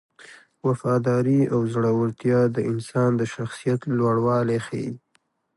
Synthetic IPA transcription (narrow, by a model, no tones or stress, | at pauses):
wafɑd̪ɑɾiawzɽawaɾt̪jɑd̪əʔɪnsɑnd̪əʃaxsijat̪lwaɽwɑlexḛ